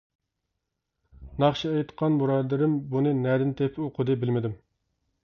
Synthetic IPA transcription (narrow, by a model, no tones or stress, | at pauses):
nɑχʃiɛjt̪qʰɑnmuɾɑd̪ɨɾɪmbunɨnɛd̪ɪnt̪ʰepʰoqʰʊd̪ɨbɪlmɪd̪ɪm